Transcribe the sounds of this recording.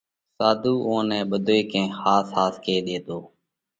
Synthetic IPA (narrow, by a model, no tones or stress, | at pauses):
saːd̪ʱuːʔõːnɛ̃ːɓəd̪ʱoːiːkẽːxaːsɦaːskeːɗ̪eːt̪oː